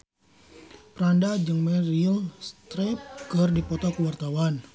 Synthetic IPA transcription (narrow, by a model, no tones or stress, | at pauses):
pɾandad͡ʒɨŋmɛɾilst̪ɾɛp̚kɨrdipɔt̪ɔkəwart̪awan